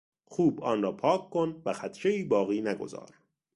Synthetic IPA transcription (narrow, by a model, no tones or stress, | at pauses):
xuːbɒːnrɒːpʰɒːkʰːonvæxæt̪ʰʃeiːbɒːɣiːnæɡo̰zɒ̰ːɾ